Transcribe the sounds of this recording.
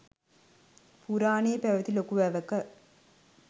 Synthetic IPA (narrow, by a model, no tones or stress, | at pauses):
puɾaːneːpæʋɐt̪ilokuʋæːʋɐkɐ